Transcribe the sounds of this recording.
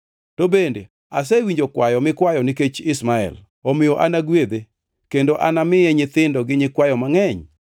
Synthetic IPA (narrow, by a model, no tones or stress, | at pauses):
tobende | as̬ɛwiɲd͡ʒokwajɔmɪkwajɔniket͡ʃɪsmaɛ̰l | omɪjoʔanaɡwed̪e | kendoʔanamɪjɛɲɪt̪ɪndɔɡɪɲɪkwajɔmaŋɛɲ